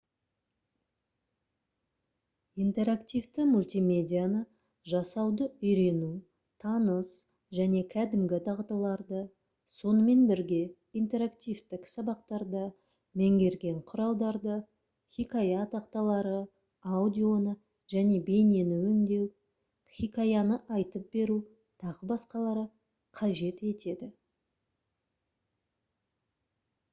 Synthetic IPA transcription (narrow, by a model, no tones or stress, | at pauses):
ijnt̪e̞ɾakt̪ijvt̪ɪmulʲt̪ijme̞d̪ʲijanə | ʒɑsɑwd̪əʏjɾe̞nu | t̪ʰɑnəs | ʒæne̞kʲʰæd̪ɪmɡʲɪd̪ɑʁt̪ɑlˠɑɾd̪ə | so̞nəme̞nbɪɾɡʲe̞ | ijnt̪e̞ɾakt̪ijvt̪ɪksɑbɑq̚t̪ɑɾd̪ə | mæŋɡʲe̞ɾɡʲe̞ɴqʰʊɾɑlˠd̪ɑɾd̪ə | χʲikajɑt̪ɑqt̪ɑlˠɑɾə | aud̪ʲio̞nə | ʒæne̞be̞nenɪwɵŋd̪e̞w | χʲikajɑnəʔɑjt̪əp̚be̞ɾu | t̪ʰɑʁəbɑsqɑlˠɑɾə | qʰɑʒe̞t̪e̞t̪e̞d̪ɪ